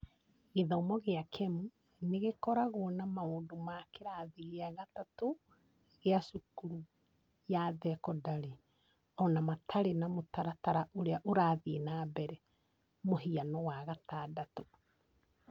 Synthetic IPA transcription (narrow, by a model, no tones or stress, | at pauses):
ɣeðɔomɔɣeakʰɛmu | neɣekɔɾaɣoːnamaoːndomakeɾaðiɣeaɣatato | ɣeaʃukuɾu | jaðɛkɔdaɾe | ɔnamatʰaɾenamotaɾataɾaʔoɾeaʔoɾaːðeːnaːbɛɾɛ | moɦianɔwaɣataːdato